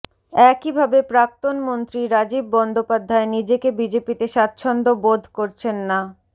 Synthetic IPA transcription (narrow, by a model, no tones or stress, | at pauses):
ɛkibʱabepɾak̚t̪onmont̪ɾiɾad͡ʑibːɔnd̪ʱopad̪ʱːaenid͡ʑekebid͡ʑepit̪eʃat̪ːɕʰond̪obod̪ʱkoɾt͡ɕʰenːa